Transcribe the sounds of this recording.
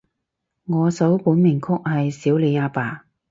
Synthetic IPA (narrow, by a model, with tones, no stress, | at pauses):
ŋɔː˨˧sɐ˨˥wpuː˨˥nmɪ˨˩ŋkʰʊ˥k̚hɐ˨jsiː˨˥wle˨˧jaː˧paː˨˩